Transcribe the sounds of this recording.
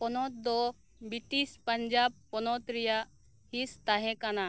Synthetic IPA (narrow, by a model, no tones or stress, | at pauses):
pɔnɔt̪̚d̪ɔ | biʈispəɲd͡ʒab̚pɔnɔt̪ɾijaʔ | hist̪aɦɛ̃kana